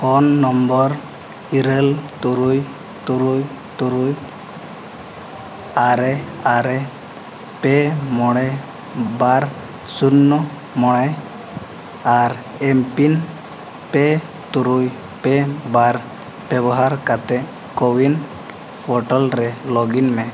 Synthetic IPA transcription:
hɔnːɔmbɔɾ | iɾelt̪uɾuj | t̪uɾuj | t̪uɾuj | aɾɛaɾɛ | pemɔɽ̃e | baɾ | sunːɔ | mɔɽ̃ɛ | aɾ | empin | pɛ | t̪uɾuj | pɛbaɾ | b̥ɛbɔɦaɾkat̪ɛ | kowin | pʰɔʈalɾɛlɔɡinmɛ

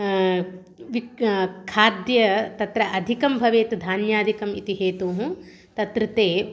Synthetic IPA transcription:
ʋikʰaːd̪jɐt̪ɐt̪ɾɐʔɐd̪ʱikɐmbʱɐʋeːt̪ud̪ʱaːnjaːd̪ʱikɐmḭt̪iɦeːt̪uːɦũ | t̪ɐt̪ɾit̪eː

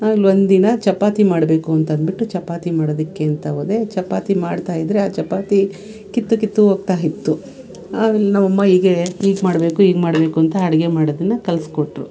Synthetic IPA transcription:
aːlʋond̪inɐt͡ʃɐpaːt̪imaːɽbe̞ːkuɐnt̪ɐɐnd̪biʈːut͡ʃɐpaːt̪imaːɽoːd̪ɐkːe̞ːnt̪ɐʋoːd̪e̞t͡ʃɐpaːt̪imaːɖt̪aːjid̪ɾe̞aːt͡ʃɐpaːt̪i | kit̪ːukit̪ːuɦoːɡ̚t̪aːjit̪ːu | aːmeːlenɐmːɐmːɐiːɡe̞iːɡmaːɽbe̞ːkuiːɡmaːɽbe̞ːkuɐnt̪ɐɐɽɛɡemaːɽod̪ɐnːɐkɐlskoʈːɾu

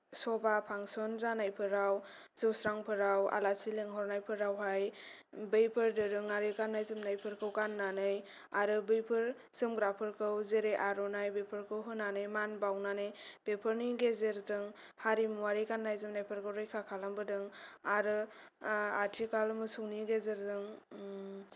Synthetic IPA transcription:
sɔbapʰaŋsɔnzanajpʰɯɾaw | zɯwsɾaŋpʰɯɾawa̰lasileŋɦɔɾnajpʰɯɾawɦaj | bɯjpʰɯɾdɯɾɯŋaɾɯɡanːajzɯmnajpʰɯɾkʰɯwkanːanɯj | aɾɯbɯjpʰɯɾ | z̥ɯmɡɾapʰɯɾkʰɯwzeɾeʔaɾɔnajbepʰɯɾkʰɯwɦɯnːanɯjmanbawnanɯjb̥epʰɯɾniɡezeɾzɯŋ | haɾimuaɾikanːajzɯmnajpʰɯɾkʰɯwɾɯjkʰakʰalambɯdɯŋaɾɯ | atʰikʰalmɯsuwniɡezeɾzɯŋ

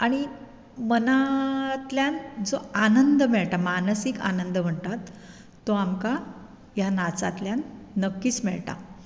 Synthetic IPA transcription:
aɽ̃i | mənat̪ljand͡zoanənd̪əmɛɭʈ̪amanəsika̰nənd̪əm̤əɳt̪at̪ː | oamka | janat͡sa̰t̪ljanːəkːiːt͡smɛɭʈa̰

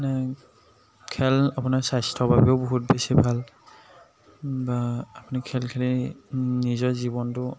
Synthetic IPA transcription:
nɛ | kʰɛlapʊnaɹsajstʰɔbʱabioʊbɔɦut̚besibʱal | baapunikʰɛlkʰɛlinizɔɹzibɔntʊ

